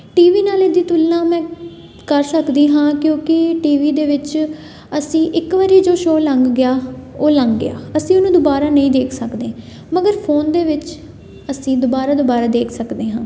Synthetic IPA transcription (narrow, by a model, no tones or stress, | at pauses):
ʈiːʋiːnaːled̪iːt̪ʊlnãːmɛ̃ː | kəɾsəkd̪iːɦãːkjõːkɪʈiːʋiːd̪eːʋɪt͡ʃ | əsĩːʔɪkʋəɾiːd͡ʒoːʃoːləŋɡɡɪjaːoːləŋɡɡɪ̰a̰ːəsĩːʊnũːd̪obaːɾaːnəĩːd̪eːkʰsəkd̪eː | məɡəɾpʰoːnd̪eːʋɪt͡ʃ | əsĩːd̪obaːɾaːd̪ʊbaːɾaːd̪eːkʰsəkd̪eːɦãː